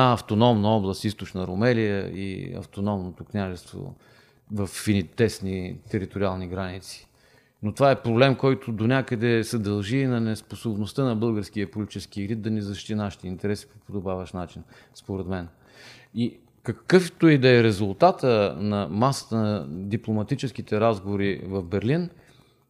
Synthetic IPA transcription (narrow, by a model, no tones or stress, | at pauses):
aɐft̪onɔmnɐɔblˠəst̪ist̪ot͡ʃnəɾomɛlijə̰ḭɐ̰ft̪onɔmnot̪oknʲaʒɛst̪vo̰ | vɐfinit̪ɛsnit̪ɛɾit̪oɾialˠniɡɾanit̪si̥ | not̪ovaɛpɾoblɛmkɔjt̪ʊd̪onʲakəd̪ɛsɛd̪ɐlˠʒinɐnɛsposobnost̪ənɐbɤlˠɡəɾskiəpolʲit̪it͡ʃɛskiɾid̪̚d̪ɐnizɐʃt̪inaʃi̥t̪ɛint̪ɛɾɛsi̥po̥pod̪obavəʃnat͡ʃin | spoɾɛt̪mɛn | i | kɐkɤft̪oid̪ɐːɾɛzulˠt̪at̪ənɐmasə̥t̪ənɐd̪iplˠomɐt̪it͡ʃɛsk̟it̪ɛɾazɡovoɾivɐvbɛɾlin